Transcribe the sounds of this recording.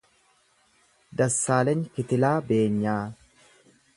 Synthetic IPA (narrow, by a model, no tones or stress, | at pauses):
d̪ɐsːaːlɛɲkɪt̪ɪlaːbe̞ːɲːaː